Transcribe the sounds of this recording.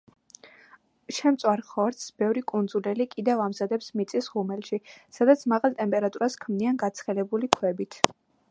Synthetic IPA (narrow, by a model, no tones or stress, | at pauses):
ʃɛmt̪sʼwaɾχɔɾt̪sb̥ɛvɾikʼund̪zulɛlikʼid̪ɛvamzad̪ɛpsmit̪sʼisʁumɛlˠʃisad̪at̪sʰmaʁalˠt̪ʼɛmpʼɛɾat̪ʼuɾaskʰmnianɡat̪sʰχɛlɛbulikʰwɛbit̪ʰ